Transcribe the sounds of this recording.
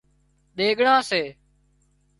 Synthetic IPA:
ɗeːɠɳãːseː

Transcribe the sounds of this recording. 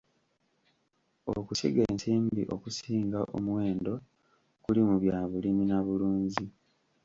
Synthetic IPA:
o̰kusḭɡe̞ːnsiːmbḭʔo̞kusiːŋɡaʔo̰mwe̞ːndo̞ | kulimuβjaːβuliminaβuluːɲzi

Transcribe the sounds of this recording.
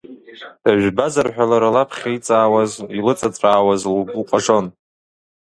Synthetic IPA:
d̥aʒᶣʷbazarħᶣʷalaɾalapʰχʲejt͡sʼaːwazilɨt͡sʼat͡sʷʼaːwazlɡuqʷʼaʂo̞n

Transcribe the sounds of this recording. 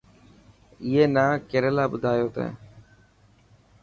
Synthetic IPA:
ieːnaːkeːɾəlaːbʊd̪ʱaːjoːt̪ḛ̃ː

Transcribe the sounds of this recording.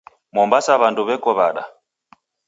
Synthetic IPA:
mɔmbasaβanduβɛkɔβaɗa̰

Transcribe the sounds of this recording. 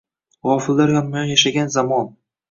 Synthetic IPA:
ʁɒfɪlːaɾhamːʊjɒnjaʃaɡʲanzamɒn

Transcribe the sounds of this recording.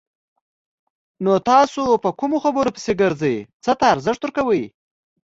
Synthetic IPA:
not̪ɑsopəkumoxabəɾopə̥seɡəɾzəjt͡sət̪aːɾzəʂt̪wʊɾkawəj

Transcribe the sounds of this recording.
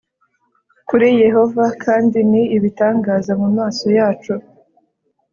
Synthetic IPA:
kuɾije̞ɦo̞vakʰaːndiniːβitaːŋɡaːzamumaːso̞jaːt͡ʃu

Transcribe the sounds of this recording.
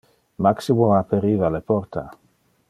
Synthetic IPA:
maksimoapeɾivalepɔɾt̪a

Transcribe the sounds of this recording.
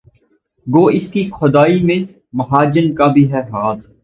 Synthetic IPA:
ɡoːɪskixʊd̪aːimẽ | mɐɦaːd͡ʒənkabʱiɦɛɦaːt̪

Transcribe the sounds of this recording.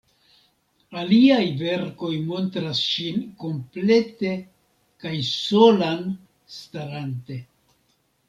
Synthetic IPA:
aliajve̞ɾko̞jmo̞ntɾasʃinko̞mple̞te̞ | kajso̞lan | staɾante̞

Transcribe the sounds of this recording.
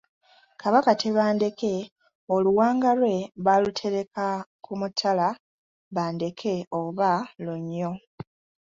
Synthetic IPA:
kaβakatʰe̞βaːnde̞ke̞ | oluwaːŋɡalwe̞βalutʰe̞ɾe̞kakumutʰːala | βaːnde̞kʰe̞oβaluɲːo̞

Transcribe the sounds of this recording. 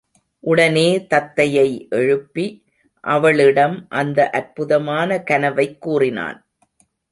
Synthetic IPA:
ʔʊɽɐneːt̪ɐt̪ːɐjɐɪʔɛɻɯpːi | ʔɐʋɐɭɪɽɐmʔɐnd̪ɐʔɐɾpʊðɐmaːnɐkɐnɐʋɐɪkːuːrɪna̰ːn

